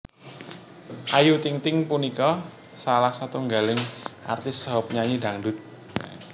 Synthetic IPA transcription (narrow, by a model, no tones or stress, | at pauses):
ʔajut̪ɪŋt̪ɪŋpunikɔ | salahsat̪uŋɡalɪŋa̰rt̪ɪsɦɔp̚ɲaɲida̤ŋdʊt̪̚